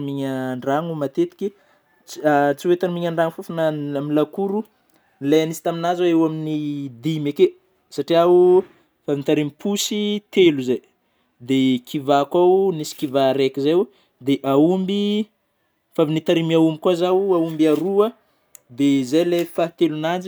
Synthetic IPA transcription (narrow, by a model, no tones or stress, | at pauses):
miɲaɳɖ͡ʐaŋumat̪et̪i̥kʲi | t͡sat͡siwet̪anmiɲaɳɖ͡ʐaŋfufanaamilakuɾu | lajanisi̥t̪aminazaewaminid̪imeke | saʈ͡ʂiau | favinit̪aɾimipʰusit̪eluzaj | d̪ekʰivakawnisi̥kivaɾekʲizaw | d̪eʔaumbi | favinit̪aɾimiaumbikwazawaumbiaɾuə | d̪ezajlajfat̪elunand͡ʒi